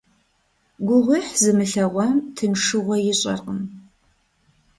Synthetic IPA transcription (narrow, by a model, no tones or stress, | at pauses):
ɡʷʊʁʷiħzɨmɨɬɐʁʷɐmtʰɨnʂɨʁʷɔjɪɕʼɐ̰rqəm